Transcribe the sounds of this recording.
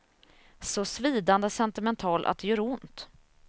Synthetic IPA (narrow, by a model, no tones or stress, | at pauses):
sɔsviːd̪and̪əsɛnt̪ɪmɛnt̪ʰɑːlʔa̰d̪ɛjœːɾʊnt̪